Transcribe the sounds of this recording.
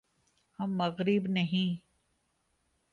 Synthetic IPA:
hɐmːɐɣɾɪbnɐɦĩː

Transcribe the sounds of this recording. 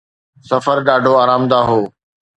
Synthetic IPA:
sɐfəɾɗaːɖʱoaːɾaːmd̪aːɦoː

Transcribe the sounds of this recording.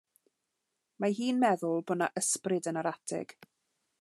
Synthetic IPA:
maɦiːnmɛðʊlˠbɔnaʔəsprɪdənaɾatʰɪ̰ɡ̥

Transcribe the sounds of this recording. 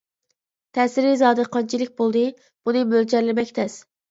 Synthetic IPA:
t̪ʰɛsɪɾizɑːd̪ɨqʰɑnt͡ʃʰilɪk̚ʲbolˠd̪ɨ | b̥unɨmøld͡ʒɛɾlɪmɛkʲt̪ʰɛs

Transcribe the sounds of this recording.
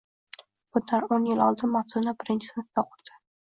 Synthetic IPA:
b̥ʊnd̪aɾonjɪlɒlˠd̪ɪnmat̪zʊnabɪɾɪnt͡ʃʰɪ̥snt̪t̪aqʰʊɾd̪̥ɪ̥

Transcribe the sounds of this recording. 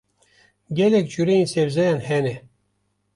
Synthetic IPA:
ɡʲɛlɛk̚t͡ʃuɾejinsevzɛjɑnhɛnɛ

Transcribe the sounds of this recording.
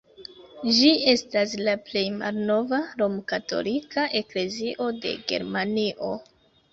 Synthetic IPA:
d͡ʒie̞staslaple̞jma̰lno̞vaɾo̞mkato̞̰likaʔe̞kle̞ziʔo̞de̞̰ɡe̞̰ɾmaniʔo̞

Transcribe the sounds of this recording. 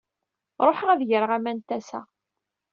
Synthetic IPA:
ɾˤoħʁæðʝəɾəʁæmænt̪ːæsæ̰

